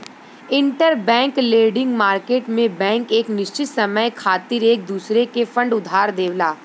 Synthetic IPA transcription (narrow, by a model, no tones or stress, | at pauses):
ɪ̃ɳʈəɾbɛ̃ːŋkleːɖɪ̃ŋɡmaːɾkeːʈmẽbɛ̃ːŋkeːknɪʃt͡ʃɪt̪sɐməjkʰaːt̪iɾeːk̚d̪uːsɾekefə̃ɳɖʊd̪ʱaːɾd̪eːʋlaː